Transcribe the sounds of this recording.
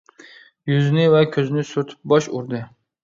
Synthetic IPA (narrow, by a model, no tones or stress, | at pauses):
jʊznɪvakʲʰɵzɪnɪsʊɾt̪ʰɪ̥p̚bɒʃʊɾd̪ɪ